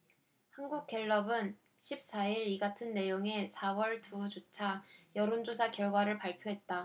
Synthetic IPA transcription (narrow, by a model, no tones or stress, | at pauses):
hanɡuk̚k͈e̞ɭːʌbɯn | ɕʰip̚s͈aiɾiɡatʰɯnːe̞joŋe̞sʰawʌɭtʰud͡ʑot͡ɕʰajʌɾond͡ʑosʰakjʌɭɡwaɾɯɭpaɭpʰjoɦe̞t̚t͈a